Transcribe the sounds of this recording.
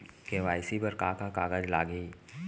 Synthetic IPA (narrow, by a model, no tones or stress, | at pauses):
keʋaːɪsibəɾkaːkakaːɡəd͡ʒlaːɡəi